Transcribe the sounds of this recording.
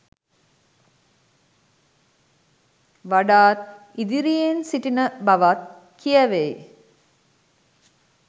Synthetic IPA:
ʋaɖaːt̪̚ | id̪iɾijensiʈinəbaʋat̪̚ | kijəʋej

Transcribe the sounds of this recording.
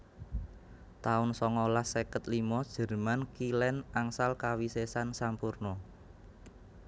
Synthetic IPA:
t̪aʊnsɔŋɔlahsekət̪limɔd̥ʒ̥ə̤rmankilɛnaŋsalkawisesansampurnɔ

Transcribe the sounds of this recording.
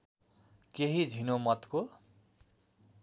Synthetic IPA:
keɦid͡zʱinomʌt̪ko

